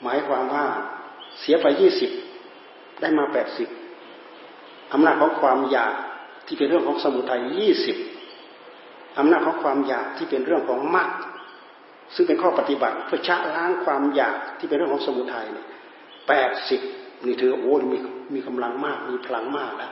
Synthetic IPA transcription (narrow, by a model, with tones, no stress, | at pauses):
maː˨˦jkʰwaː˧mwaː˧˩si˨˦ɐpʰa˧jiː˥˩si˨˩p̚ | da˥˩jmaː˧pɛː˨˩t̪̚si˨˩p̚ | ʔa˧mnaː˧˩t̪̚kʰɔː˨˦ŋkʰwaː˧mjaː˨˩k̚t̪ʰiː˧˩pe˧nɾɯ˥˩əŋkʰːŋsa˧mu˨˩t̪ʰːa˧jːiː˥˩si˨˩p̚ | ʔa˧mnaː˥˩t̪̚kʰɔː˨˦ŋkʰwaː˧mjaː˨˩k̚t̪ʰiː˧˥˩pe˧nɾɯ˥˩əŋkʰɔː˨˦ŋma˦˥˩k̚ | sɯ˧˩ŋpe˧nkʰɔː˥˩pa˧t̪i˧ba̰˨˩t̪̚pʰɯ˥˩ɐt͡ɕʰa˦˧˥ʔlaː˧˥ŋkʰwaː˧mjaː˨˩k̚t̪ʰiː˧˩pe˧nɾŋkʰːŋsa˧mu˧˦t̪ʰːa˧jni˧˩ | pɛː˨˩t̪̚si˨˩p̚ni˧˩t̪ʰɯː˧a˧ʔoː˨˦ni˧˦i˧miː˧kʰa˧mla˧ŋmaː˥˩k̚miː˧˥pʰa˧la˧˦ŋmaː˥˩k̚lɛ˦˥ʔ